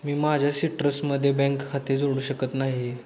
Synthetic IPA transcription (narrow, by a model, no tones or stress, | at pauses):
miːmad͡ʑʱjasiʈɾəsməd̪ʱːjebɛ̃ŋkkʰːat̪iːɾd͡zoɽuːɕəkət̪naɦi